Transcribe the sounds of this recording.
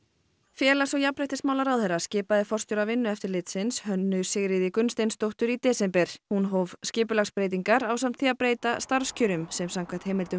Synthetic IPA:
fjɛːlasɔwjapɾɛjht̪ɪsmaːwlaɾawðhɛɾḁscɪːpaðɪfɔr̥st̪ʏɾavɪnːʏɛft̪ɪɾlɪːt̪sɪnshœnːʏ̥sɪɣɾɪðɪkʏnst̪ejnst̪owht̪ʏɾit̪ɛːsɛmpɛɾ̥hunɦowvscɪːp̬ʏlaxspɾeːjt̪̬iŋkaɾawsam̥t̪θiapɾeːjt̪ast̪aɾ̥scʰʏɾʏmsɛmsaŋkʰvaht̪hejmɪlt̪ʏ

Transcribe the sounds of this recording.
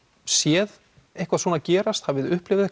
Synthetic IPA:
sjɛð | ejhkvaðsoːnacɛːɾast̪havɪðʏhplɪvɪðɛk

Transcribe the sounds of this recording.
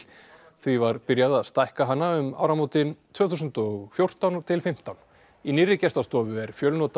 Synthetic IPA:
θvivaɾpɪɾjaðaðst̪ajhkaɦanːaʏma̰ːwɾamowt̪ɪnt̪ʰvœːθusʏnt̪ɔɣfjowr̥t̪awnt̪ʰɪlfɪm̥t̪awn | inɪrɪcɛst̪ast̪ɔːvʏɛɾ̥fjœlnɔːt̪a

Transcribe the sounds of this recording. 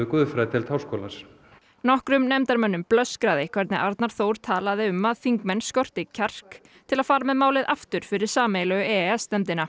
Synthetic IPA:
ʏkuːðfɾɛt̪ʰɪlt̪ʰaːwskoːlas | nɔhkɾʏmnɛmt̪aɾmœnːʏmplœskɾaːðɪkʰvɛɾt̪nɛʔaɾt̪naɾ̥θoːwɾ̥t̪ʰaːlaðɪʏmːaðfiŋkmɛnːskɔr̥t̪ɪcʰar̥k | t̪ʰɪlaðfaːɾamɛðmaːwlɪðʔaft̪ʏɾ̥fɪɾɪɾ̥saːmejlaɣʏɛɛsːt̪ɛmt̪ɪna

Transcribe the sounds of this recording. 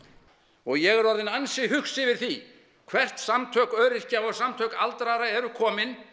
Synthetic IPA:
ɔɣjɛɣɛɾɔɾðɪnansɪɦʏxsɪvɪð̥θi | kʰvɛr̥t̪samt̪ʰœːkœːɾɪr̥caɔɣsamt̪ʰœːkalt̪ɾaɾaɛɾʏkʰɔːmɪn

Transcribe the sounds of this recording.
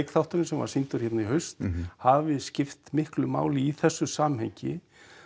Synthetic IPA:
kθawht̪ʏɾɪnsɛmva̰ɾ̥sint̪ʏɾ̥çɛt̪naiɦœɥst̪havɪscɪft̪mɪhklʏma̰ːwlɪiθɛsːʏsaːmhɛɲcɪ̰

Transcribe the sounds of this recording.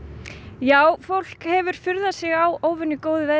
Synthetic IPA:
jaːwfowl̥khɛvʏɾ̥fʏɾðasɪɣawoːwvʏnːʏkoːwðɪvɛ

